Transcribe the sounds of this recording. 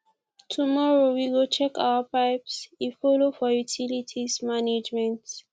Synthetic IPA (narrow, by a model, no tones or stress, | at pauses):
tʰumɔɹowiɡot͡ʃɛka̰wapaɪpsifɔlofɔjutʰilitʰismaned͡ʒmɛ̃nt